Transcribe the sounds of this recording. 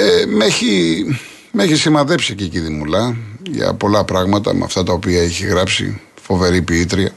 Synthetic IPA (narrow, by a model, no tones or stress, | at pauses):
emeçi | me̞çisimɐðe̞psieciciðimulɐʝɐ̰po̞lɐpɾɐɣmɐt̪ɐ̰m̰ɐ̰ft̪ɐt̪ɐopiɐeçiɣɾɐpsḭ | fo̞ve̞ɾipiit̪ɾiɐ